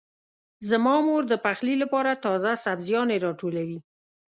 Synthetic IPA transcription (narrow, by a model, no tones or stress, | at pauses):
zəmɑmoɾd̪əpaxlilapɑɾat̪ɑzasabzjɑneɾɑʈolawi